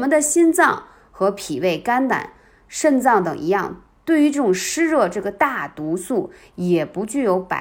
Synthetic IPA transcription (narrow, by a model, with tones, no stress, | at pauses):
mə˧nd̪ə˨ɕi˥nt͡sɑ˥˧ŋ | xɤ˧˥pʰi˨˩we˥˩ɪka˥nt̪a̰˨˩˦n | ʂə˥˧nt͡sɑ˥˩ŋt̪ɤ̰˨˩ŋʔi˧˥jɑ˥˧ŋ | t̪we˥˩ɪy˧˥ʈ͡ʂɤ˥˩ʈ͡ʂʊ˨˩ŋʂɻ̩˥ɻɤ˥˧ʈ͡ʂɤ˥˩ɡə˩t̪a˥˩t̪u˧˥su˥˩ | jɛ˨˩pu˧˥t͡ɕy˥˩jo˧˥ʊpa̰˨˩